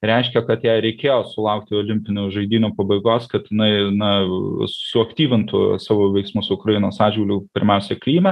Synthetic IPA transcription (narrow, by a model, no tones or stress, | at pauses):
ɾʲɛɪʃʲkʲɛkɐt̪jɛɪɾʲɛɪkʲeːjoːsʊlˠɐʊkt̪ʲɪoːlʲɪmʲpʲɪnʲuːʒɐɪd̪ʲiːnʲuːpɐbɐɪɡoːskɐt̪ɪnɐɪnɐsʊsʲɪɐkt̪ʲiːʋʲɪnt̪ʊ̰sɑːʋoːʋʲɛɪksmʊsʊkɾɐjɪnoːsɑːd͡ʒʲɡʲɪlʲupʲɪɾʲmʲɛʊsʲɛklʲiːmʲɛ